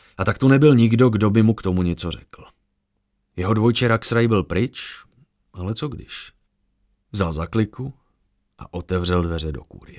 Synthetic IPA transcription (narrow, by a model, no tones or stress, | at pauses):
ʔat̪akt̪unɛbɪlɲɪɡdo̞ɡdo̞bɪmukt̪o̞muɲɛt͡so̞rɛkl̩ | jɛɦo̞dvojt͡ʃɛɾaksɾajbɪlpɾɪt͡ʃ | ʔalɛt͡soɡdɪ̰ʃ | vzalzaklɪku | ʔaʔo̞t̪ɛvr̝ɛldvɛr̝ɛdo̞̰kṵːɾɪɛ